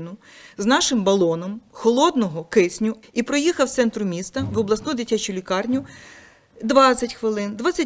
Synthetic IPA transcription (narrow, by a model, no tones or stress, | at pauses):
nʊ | znɑʃɪmbɐlˠɔnɔmxɔlˠɔd̪nɔɦɔkɪsʲnʲʊ | ipɾɔjixɐwt̪sɛnt̪ɾʊmʲist̪ɐʋɔblˠɐsnud̪ɪtʲːat͡ʃʊlʲikɑrnʲʊ | d̪ʋɑt͡sʲsʲɐtʲxʋɪlˠɪnd̪ʋɑt̪t͡sʲɐ